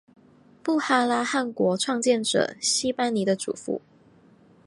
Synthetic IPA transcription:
pu˥˧xa˥la˥xa˥˩nkwɔ˧˥ʈ͡ʂʰwɑ˥˧ŋt͡ɕjɛ˥˩nʈ͡ʂɤ̰˨˩ɕi˥pa˥nni˧˥d̪ə˧ʈ͡ʂṵ˨˩fṵ˧˥˦

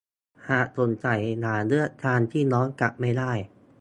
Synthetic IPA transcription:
haː˨˩ʔ̚so˨˩˦nt͡ɕa˨˩jnaː˩˦lɯ˦˥˩ət̪̚t͡ɕ̪ʰaː˧nt̪ʰiː˥˩nɔː˦˥nka˨˩p̚ma˥˩jdaː˥˩j

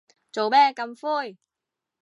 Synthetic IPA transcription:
t͡ɕo˨˩ɓɛ˧ka˨˧˩mfu˧j

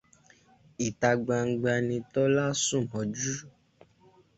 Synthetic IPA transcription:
i˨ta˧ɡ͡ba˧ŋ̩˧ɡ͡ba˧nĩ˧tɔ˦la˦sũ˦˨mɔ̃˨˦d͡ʒu˦

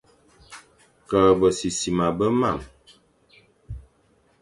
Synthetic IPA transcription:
kə˨bə˨si˨si˨ma˨bə˦ma˦˨m

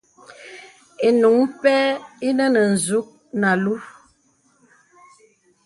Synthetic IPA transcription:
e˨nu˨˦ŋpɛ˦i˦nə˦nə˨n̩˨zu˦k̚ | na˨lu˦

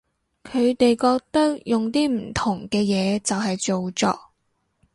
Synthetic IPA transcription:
kʰɵ˨˧ɥt̪e˨jkɔː˧k̚t̪ɐ˥k̚jʊ˨ŋt̪iː˥m̩˨˩t̪ʰʊ˨˩ŋkɛː˧jɛː˨˧t͡sɐ˨wɦɐ˨jt͡so˨wt͡sɔ̰ː˧k̚

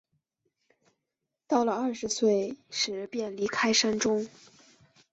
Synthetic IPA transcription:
t̪ɑ˥˩ʊlə˩ɐ˥˩ʂɻ̩˧˥swe˥˩ɪʂɻ̩˨˩˧pjɛ˥˩nli˧˥kʰa˥ɪʂa˥nʈ͡ʂʊ˥ŋ

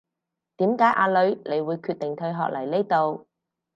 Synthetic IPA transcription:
t̪iː˨˥mkaː˨˥jʔaː˧lɵ˨˧ɥle˨˧jwuː˨˧jkʰyː˧t̚t̪ɪ˨ŋt̪ʰɵ˧ɥɦɔ̰ː˨k̚lʔɐ˨˩jne˥jt̪o˧w

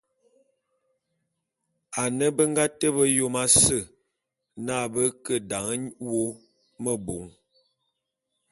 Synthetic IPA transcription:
a˨nə˦bə˦ŋɡa˦tə˦bə˦jo˦ma˦sə˦˨ | na˦˨bə˦kə˦da˨ŋə˦wo˦ | mə˦bo˨˦ŋ

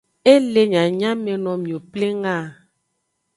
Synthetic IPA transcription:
e˦le˨ɲã˨ɲã˦mẽ˨nɔ̃˨mĩ˨o˨ple˦ŋã˦˨

